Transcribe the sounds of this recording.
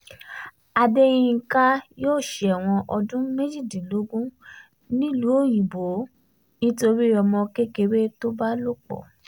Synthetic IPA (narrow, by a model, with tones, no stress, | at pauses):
a˧de˦j̃ĩ˧˦ka˦joː˦˨ʃɛ˨ɛ˨w̃ɔ̃˧ʔɔ˧dũ˦me˦d͡ʒi˦˨di˨lo˨˦ɡũ˦ | nĩ˦lu˨˦o˦˨j̃ĩ˨bo˨˦ | nĩ˦to˧ɾi˦ɔ˧mɔ̃˧ke˦ke˧we˦to˦ba˦lo˦k͡pɔ̰˦˨